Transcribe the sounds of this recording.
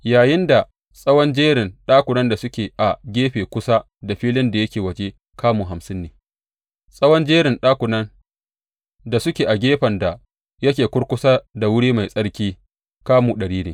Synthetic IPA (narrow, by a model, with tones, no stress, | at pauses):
jaː˨jɪ˦nda˨ | sʼɐ˦wɔ˦nd͡ʒeː˦ɽɪ˨nɗaː˦kʷʊ˨nɐ˦nda˨sʊ˦kʲeː˨ʔa˨ɡʲeː˦ɸeː˨kʷʊ˦sa˦ | da˨ɸiː˦lɪ˦nda˨jɐ˦kʲeː˨wɐ˨d͡ʒe˦ | kʰaː˦muː˨ɦa˨msɪ˦nːeː˨ | sʼɐ˦wɔ˦nd͡ʒeː˦ɾɪ˨nɗaː˦kʷʊ˨nɐ˦n | da˨sʊ˦kʲeː˨ʔa˨ɡʲeː˦ɸɐ˨nda˨ | jɐ˦kʲeː˨kʷʊ˦ɽkʷʊ˦saː˦da˨wʊ˦ɽiː˦ma˨jsʼɐ˦ɽkʲiː˦ | kaː˦muː˨ɗɐ˨ɽiː˦neː˨